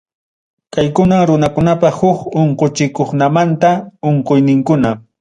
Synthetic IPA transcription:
kajkʊnaŋɾʊnakʊnapɑhʊkoɴqot͡ʃɪkoχnamant̪aoɴqojnɪŋkʊna

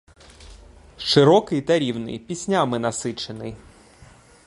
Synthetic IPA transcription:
ʃɪɾɔkɪjt̪ɐɾʲiwnɪ̰jpʲisʲnʲamɪnɐsɪt͡ʃenɪj

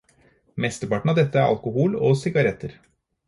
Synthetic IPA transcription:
mɛst̪əɾpɑʈɳn̩ɑʋd̪ɛt̪ːəæɾʔɑ̰lkʊhuːlɔsɪɡɑɾɛt̪ʰːəɾ

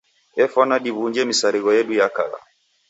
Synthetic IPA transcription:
ɛfɔnaɗiβuɲd͡ʒɛmisaɾiɣɔjɛɗujaka̰la̰

